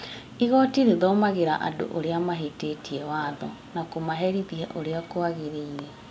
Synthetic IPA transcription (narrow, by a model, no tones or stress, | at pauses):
iɣɔtiɾeðɔːmaɣeɾaʔa̰do̰ʔoɾeamaɦetetiɛwaðɔ̰ | nakomaɦɛɾiðiɛʔoɾeakoaɣeɾeiɾɛ